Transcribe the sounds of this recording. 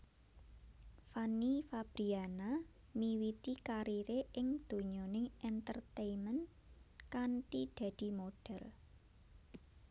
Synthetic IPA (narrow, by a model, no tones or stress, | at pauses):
fanifab̥ɾiana | miwit̪ikaɾiɾeʔɪŋd̪̥o̤ɲonɪŋɛnt̪ərt̪ejmən | kanʈid̪̥a̤d̪̥i̤moɖ̥ɛl